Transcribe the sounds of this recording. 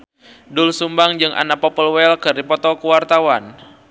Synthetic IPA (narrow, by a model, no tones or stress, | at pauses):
dʊlsumbaŋd͡ʒɨŋʔa̰napɔpəlwɛlkɨrdipɔt̪ɔkuwart̪awan